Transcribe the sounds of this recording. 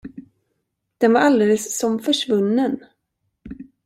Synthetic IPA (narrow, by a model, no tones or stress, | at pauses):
d̪̥ɛnvaɾald̪eːləsːɔmfœʂvɵnːən